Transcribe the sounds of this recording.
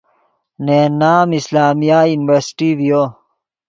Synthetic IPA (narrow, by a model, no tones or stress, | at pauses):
nenaːmislaːmijaːjuniʋeɾsi̥ʈiʋijo